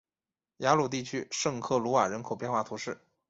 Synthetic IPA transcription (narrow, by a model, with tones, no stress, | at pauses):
ja˧˥lu˨˩t̪i˥˩t͡ɕʰy˥ʂɤ˥˧ŋkʰɤ˥˩lu˧˥wa˨˩ɻə˧˥nkʰo˨˩ʊpjɛ˥˧nxwa˥˩t̪ʰu˧˥ʂɻ̩˥˩